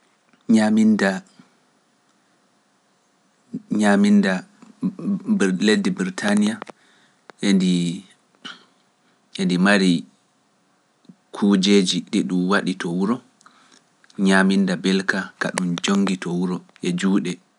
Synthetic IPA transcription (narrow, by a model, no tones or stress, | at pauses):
ɲaminda | ɲaminda | ledːibiɾtʰanija | ndi | endimaɾi | kʰud͡ʒeːd͡ʒiɗiɗumwaɗitɔwuɾɔ | ɲamindabɛlkaka̰ɗumd͡ʒoŋɡitɔwuɾɔ | ɛd͡ʒuːɗɛ